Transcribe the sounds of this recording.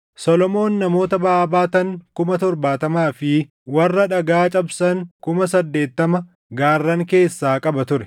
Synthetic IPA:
sɔlɔmo̞ːnːɐmo̞ːt̪ɐbɐaːbaːt̪ɐŋkʊmɐt̪ɔɾbaːt̪ɐmaːfɪ | wɐrːɐᶑɐɡaːt͡ʃʼɐbsɐŋkʊmɐsɐd̪ːe̞ːt̪ːɐmɐ | ɡaːrːɐŋke̞ːsːaːkʼɐbɐt̪ʊɾɛ

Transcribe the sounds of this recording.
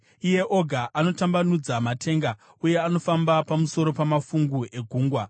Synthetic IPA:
ije̞ʔo̞ɡʱaʔano̞tambanud͡zamatʰe̞ŋɡa | uje̞ano̞fambapamuso̞ɾo̞pamafuŋɡue̞ɡʱuːŋɡwa

